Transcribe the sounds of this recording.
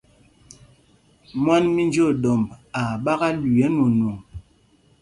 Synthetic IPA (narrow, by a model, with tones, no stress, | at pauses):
mwa˦nmi˦nd͡ʒo˦˨ɗɔ˨mba˨ɓa˦ɣa˦lu˨ɛ˨˦no˨nu˨ŋ